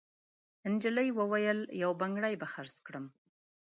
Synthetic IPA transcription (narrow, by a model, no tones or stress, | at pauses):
ɪnd͡ʒələjwəwajəljawbaŋɡɽajbaxaɾskɽəm